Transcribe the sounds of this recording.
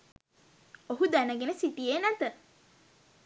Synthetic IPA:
oɦud̪ænəɡenəsit̪ijeːnæt̪ə

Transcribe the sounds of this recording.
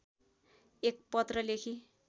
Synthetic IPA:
ek̚pʌt̪rʌlekʰi

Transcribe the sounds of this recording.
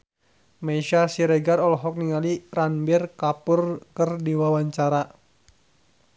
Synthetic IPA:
maiʃasiɾɛɡarɔlɦɔk̚niŋaliranbirkapʊrkərdiwawaɲt͡ʃaɾa

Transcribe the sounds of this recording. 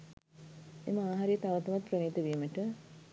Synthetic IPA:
ḛməaːɦɐɾijət̪aʋɐt̪ɐʋat̪prəʋeːt̪əʋiməʈə

